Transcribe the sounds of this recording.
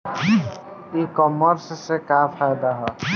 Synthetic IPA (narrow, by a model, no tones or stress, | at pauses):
ikɔməɾssekapʰajd̪aɦɛ